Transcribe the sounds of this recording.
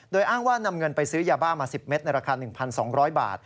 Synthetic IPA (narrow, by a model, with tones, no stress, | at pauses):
doː˧jʔaː˥˩ŋwaː˥˩na˧mŋɤ˧npa˧jsɯː˦˥jaː˧baː˥˩maː˧si˨˩p̚me˦˥t̪̚na˧jɾa˧kʰaː˧nɯ˨˩ŋpʰa˧nsɔː˩˦ŋɾɔː˦˥jba̰ː˨˩t̪̚